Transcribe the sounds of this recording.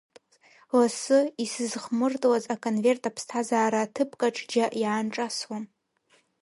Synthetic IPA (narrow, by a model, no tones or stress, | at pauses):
lasɨisɨzχmɨrtʼwazakʼonve̞rtʼapʰstʰazaːɾaːtʰɨpʰʼkʼaʈ͡ʂʰʼd͡ʒaʔjaːnʈ͡ʂʼaswam